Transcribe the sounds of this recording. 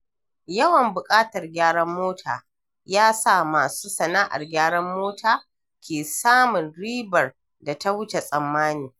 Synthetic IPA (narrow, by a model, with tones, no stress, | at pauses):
jɐ˦wɐ˨mbʊ˨kʼaː˦tɐ˨rɡʲaː˦ɽɐ˦mːoː˦tʰaː˨ | jaː˦sa˦˨maː˨suː˦sɐ˨na˦ʔa̰˨rɡʲaː˦ɽɐ˦mːoː˦tʰaː˨ | kʲʰeː˨saː˦mʊ˨nɽiː˦bɐ˨r | da˨ta˦wʊ˦t͡ʃe˨sʼɐ˨mːaː˦niː˨